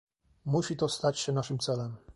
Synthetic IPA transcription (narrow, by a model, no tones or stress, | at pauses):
muɕit̪ɔst̪at͡ɕɕɛnaʂɘmt̪sɛlɛm